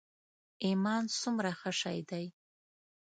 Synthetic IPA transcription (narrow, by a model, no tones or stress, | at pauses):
imansumɾaχaʂa̰jdaj